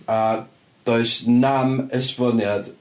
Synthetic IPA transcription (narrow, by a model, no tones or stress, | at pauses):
a | d̥oɨsnaməsbɔnjad̥